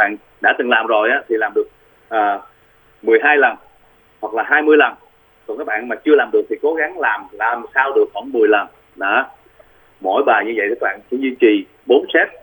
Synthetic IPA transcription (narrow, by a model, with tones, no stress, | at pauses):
ɓa̰ː˧˨n | ɗa̰ː˧˥t̪ɨ˨˩ŋlaː˨˩mzo˨˩jʔaː˨˦t̪ʰi˨˩laː˨˩mɗɨ˨˩ək̚ | ʔəː˨˩ | mɨ˨˩əjɦaː˧jlə˨˩n | hwa˨˩k̚laː˨˩ɦaː˧jmɨ˧əjlə˨˩n | kɔ˨˩nkaː˦˥k̚ɓa̰ː˧˨nmaː˨˩t͡ɕɨ˧əlaː˨˩mɗɨ˨˩ək̚t̪ʰi˨˩ko˨˦ɣa˨˦ŋlaː˨˩mlaː˨˩msaː˧wɗɨ˨˩ək̚və̰˧˩ŋmɨ˨˩əjlə˨˩n | ɗɔ˨˦ | mo̰˧˥˩jɓaː˨˩jɲɨ˧və̰˧˨t̪̚ʰːɓa̰ː˧˨nt͡ɕḭ˧˦zi˧nt͡ɕi˨˩ | ɓo˨˦nsɛ˦˥t̚